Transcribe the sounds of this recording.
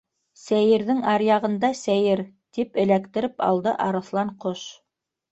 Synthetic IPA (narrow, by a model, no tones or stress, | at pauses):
sæjɘ̆ɾðɘŋɑɾjɑʁɤ̆nd̪ɑsæjɘɾ | t̪ipɘ̆lækt̪ɘ̆ɾɘpɑ̰lˠd̪ɤ̰ʔɑɾɤ̆θlˠɑɴqoʃ